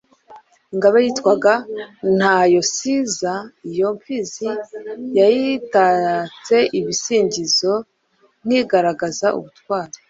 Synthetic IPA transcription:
iŋɡaβajiːtwaɡan̥hajo̞sizaijo̞mfizijajitat͡se̞ʔiβisiːɲɟizo̞ | n̥hiɡaɾaɡazaʔṵβutwaːɾe

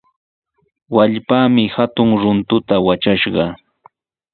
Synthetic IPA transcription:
waʎpaːmɪhat̪ʊŋɾʊnt̪ʊt̪awat͡ʃaʃɢɑ

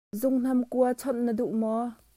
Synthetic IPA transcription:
zʊŋn̥ɐmkuɐt͡sʰɔt̪̚nəduʔmɔ

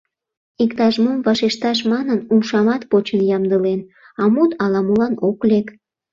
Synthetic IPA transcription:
ikt̪ɑʒmomvɑʃeʃt̪ɑʃ̬mɑnənumʃɑmɑt̪pot͡ɕənjɑmd̪əlen | ɑmut̪ɑlɑmulɑnoklek

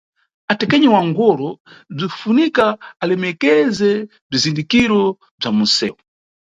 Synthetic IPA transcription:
atɛkɛɲɛwaŋɡɔɾɔb͡ʐifunikaalɛmɛkɛzɛ | b͡ʐizindikiɾɔ | b͡ʐamusɛ̰ːwɔ

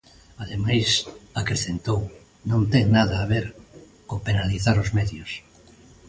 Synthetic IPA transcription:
aðemajsakɾeθent̪ow | nõnt̪ɛŋnaðaːβ̞eɾ | kopenaliθaɾozmɛðjos

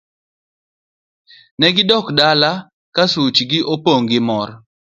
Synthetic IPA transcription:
nɛɡɪdɔkdala | kasut͡ʃɡɪʔopoŋɡɪmɔr

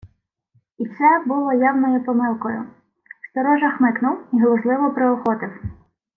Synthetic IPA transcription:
isɛbʊlˠɔjawnɔjʊpɔmɪlˠkɔjʊ | st̪ɔɾɔʒɐxmɪknʊwiɦlˠɔʒlˠɪʋɔpɾeɔxɔt̪ɪw

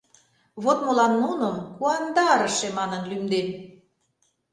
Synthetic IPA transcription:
βot̪mɤ̆lɑnːunə̆mkuɑnd̪ɑɾə̆ʃemɑnənlymd̪en

